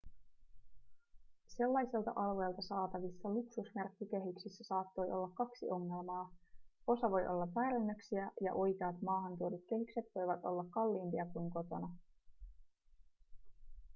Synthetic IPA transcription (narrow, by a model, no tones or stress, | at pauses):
se̞lːɑjselt̪ɑ̰ʔɑlʋe̞jlt̪ɑsɑːt̪ɑʋisːɑluksusmerkːik̟e̞ɦyksisːæsɑːt̪ːo̞jʔo̞lːɑkːɑksiʔo̞ŋːe̞lmɑːo̞sɑʋo̞jʔo̞lːɑpæːɾænːøksiæjɑ̰ʔo̞jkɑːt̪mɑːɦɑnt̪uodut̪̚ke̞ɦykse̞t̪ʋo̞jʋɑt̪o̞̰lːɑkːɑlːiːmpiɑkujŋko̞t̪o̞nɑ